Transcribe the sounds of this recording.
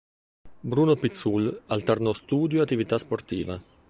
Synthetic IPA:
bɾuːnopit̪sulalt̪aɾnost̪uːd̪joat̪ːivit̪asport̪ḭːva

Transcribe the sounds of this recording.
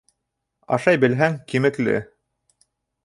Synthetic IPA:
ɑ̰ʃɑjbɘ̆lɦæŋkimɘ̆klɘ̰

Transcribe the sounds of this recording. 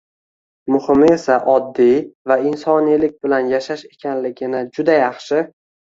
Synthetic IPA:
mʊhɪme̞saʔɒd̪ːivaɪnsɒnilɪk̚ʲbɪlanjaʃaʃe̞kʲʰanlɪɡʲɪnɪd͡ʒʊd̪ajɑχʃɪ

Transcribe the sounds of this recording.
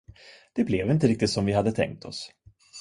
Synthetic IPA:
d̪̥ɛblɛvɪnt̪əɾɪk̚t̪ɪt̪sɔmvɪɦad̪ːət̪ʰɛ̰ŋk̚t̪ʰɔ̰s

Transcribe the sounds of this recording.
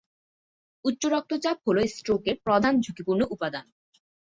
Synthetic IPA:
utːɕoɾɔk̚t̪ʰot͡ɕap̚ɦoloesʈɾokeɾpɾɔd̪ʱand͡ʑʱukipuɾnoʔupad̪an

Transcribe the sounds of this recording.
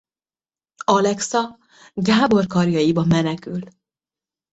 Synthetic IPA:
ɒlɛksɒ | ɡaːbo̞rkɒrjɒjibɒmːɛnɛkyl

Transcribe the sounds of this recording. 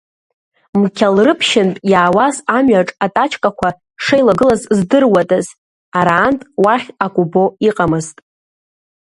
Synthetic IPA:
mkʲʰalrɨpʰʃɪntʼjaːwazamɥaʈ͡ʂʼatʼat͡ʃʰkʼakʷʰa | ʂejlaɡɨlazzdɨrwatʼaz | aɾaːntʼwaχʲakʷʼubo̞iqʼamɨztʼ

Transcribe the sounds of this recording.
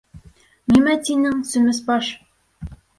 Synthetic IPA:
nimæt̪inɘŋsɵ̆mɘspɑʃ

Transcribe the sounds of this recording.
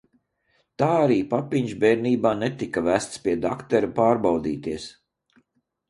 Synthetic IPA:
t̪aːaɾiːpapiɲʒbɛːɾniːbaːnet̪ikavæːst̪spʲiɛd̪akt̪ɛɾupaːɾbawd̪iːt̪iɛs

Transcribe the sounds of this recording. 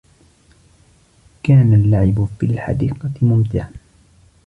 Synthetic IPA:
kaːnalːaʕɪbfilħa̰d̪iːqɑmʊmt̪ɪʕan

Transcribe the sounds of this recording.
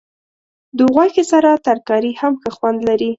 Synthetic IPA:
d̪uɣwɑjkesaɾat̪aɾkɑɾihamxəxwand̪laɾi

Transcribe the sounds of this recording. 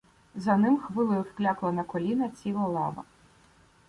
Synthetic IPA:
zɐnɪmxʋɪlˠɪjʊwklʲaklˠɐnɐkɔlʲinɐt͡sʲilˠɐlˠɑʋɐ̰

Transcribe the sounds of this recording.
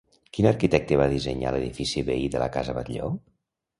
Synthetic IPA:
kinəɾkit̪ɛk̚t̪eβaðizəɲa̰ləðifisiβeiðələ̰kazəβət̪ʎo

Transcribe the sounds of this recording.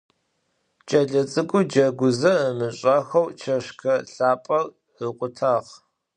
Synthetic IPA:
t͡ʃʼɐɮɐt͡sʼɨkʷʼʊd͡ʒɐɡʷʊzɐəmɨɕʼɐxɐwt͡ʃʰɐɕkʰɐɬaːpʼɐr | əqʷʼʊtʰaːʁ

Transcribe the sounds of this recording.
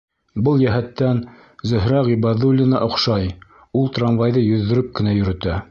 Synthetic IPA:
bɤlˠjæɦæt̪ːæn | zɵ̆ɦɾɑʁibɑðulʲːinɑʔŏqʃɑj | ulˠt̪ranvɑjðɤjɵ̆ðːɵ̆ɾɵp̚kɘ̆næjɵ̆ɾɵ̆t̪æ

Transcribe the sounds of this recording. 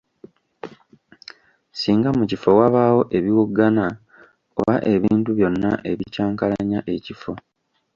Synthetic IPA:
siːŋɡamucifo̞waβawo̞ʔe̞βiwuɡːana | o̞̰βaʔe̞βiːntuβjo̞nːa̰ʔe̞βicaːŋkalaɲaʔe̞cifo̞

